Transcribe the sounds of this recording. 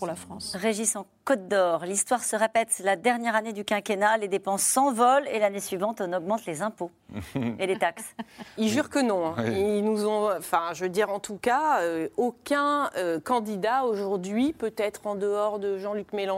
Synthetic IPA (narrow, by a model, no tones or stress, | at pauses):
puʁlafχɑ̃sʁeʒisɑ̃kɔt̪̚d̪ɔʁlist̪waʁsəʁepɛt̪lad̪ɛʁnjɛʁaned̪ykʲɛ̃kʲenaled̪epɑ̃sːɑ̃vɔlḛlanesɥivɑ̃t̪ɔnɔɡmɑ̃t̪lezɛ̃po | elet̪aksilʒyʁkənɔ̃inuzɔ̃ɑ̃fɛ̃ʒəd̪iʁɑ̃t̪ukaøokʲɛ̃økɑ̃d̪id̪aoʒuʁd̪ɥipøt̪ɛt̪χɑ̃d̪əɔʁd̪əʒɑ̃lykmelɑ̃